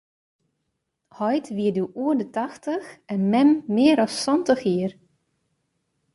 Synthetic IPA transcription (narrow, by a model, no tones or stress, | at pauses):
hɔjtʋiəduʔuədətɑxtəxɛnmɛmːɪəɾɔsːɔntəxiər